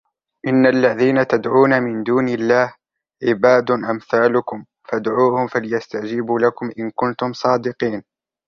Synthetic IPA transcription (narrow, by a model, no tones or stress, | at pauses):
ʔɪnːalːaðiːnat̪ad̪ʕuːnamɪnd̪uːnɪlːaːh | ʕɪbaːd̪ʊʔamθaːlʊkʊm | fad̪ʕuːhʊmfalɪjast̪ad͡ʒɪbuːlakʊmʔɪnkʊnt̪ʊmsˤɑːd̪ɪqiːn